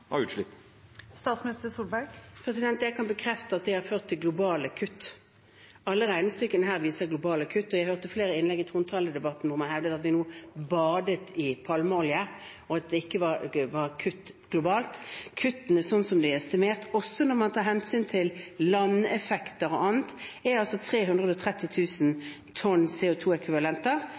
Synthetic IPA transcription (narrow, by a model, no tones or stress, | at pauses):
hɑ̰ʉːt̪ʂlɪ̰pː | st̪ɑːt̪smɪnɪst̪əsuːlbæɡpʰɾɛsɪd̪ɛnt̪jæɪkʰɑnbəkʰɾɛft̪əɑt̪̚d̪ɪhɑʁføːʁt̪ʰːɪlɡlʊbɑːləkʰʉt̪ː | ɑlːəʁæɪnəst̪ʏkːənəɦæːʁʋiːsəɡlʊbɑːləkʰʉt̪ːɔjæɪhøːʁt̪əfleːɾəɪnlɛɡɪt̪ʁʊnt̪ʰɑːləd̪ɛbɑt̪ːn̩ʋʊɾmɛnhɛʋd̪ət̪ɑt̪ʋ̪ɪnuːbɑːd̪ət̪ʰɪpʰɑlməɔlɪə | ɔɑt̪̚d̪ɛɪkːəʋɑʋɑʁkʰʉt̪ːɡ̥lʊbɑːlt̪kʰʉt̪ːənɛsɔnːsɔmd̪ɛɛst̪ɪmeːʁt̪ɔsːɔnɔʁmɑnt̪ʰɑːɾhɛnsyːnt̪ʰɪllɑnɛfɛkt̪əɾɔ̰ʔɑːnət̪æɑlsɔt̪ʰʁeːɦʉnd̪ʁəd̪ɔt̪ʰʁɛt̪ːɪt̪ʰʉːsn | t̪ʰɔnsɛːʊt̪ʰuːɛkʋɪʋɑlɛnt̪əʁ